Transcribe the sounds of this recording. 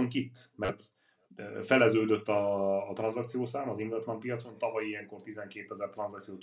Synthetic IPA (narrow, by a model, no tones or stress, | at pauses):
oŋkit̪ːmɛrt̪ | fɛlɛzøːd̪øt̪ːɒːt̪rɒnzɒk̚t̪sijoːsaːmɒziŋɡɒt̪lɒmpijɒt̪so̞nt̪ɒvɒjijɛŋko̞rt̪izɛŋkeːt̪ɛzɛrt̪rɒnzɒkt̪sijoːt̪